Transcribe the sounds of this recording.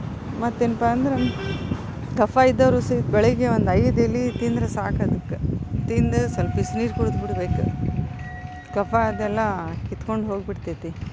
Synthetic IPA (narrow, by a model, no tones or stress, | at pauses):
mɐt̪ːenpaɐnd̪ɾe | kɐfʰaid̪ːɐʋɾusit̪bɛɭeɡeʋond̪ɐjɐd̪ɐlːit̪ind̪ɾɐsaːkɐd̪ukːet̪ind̪ɨsɐlpisniːɾkuɽd̪biɽbeːkṵ | kɐfʰaɐd̪ɛlːɐkit̪ko̞ɳɖɦo̞ːɡbiɽt̪et̪i